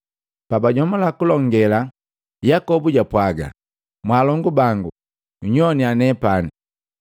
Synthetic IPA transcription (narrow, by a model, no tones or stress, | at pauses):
pabaɟɔmɔlakulɔŋɡɛla | jakɔbuɟapwaɡa̰ | mwaːlɔŋɡubaŋɡu | ɲɔnianɛpani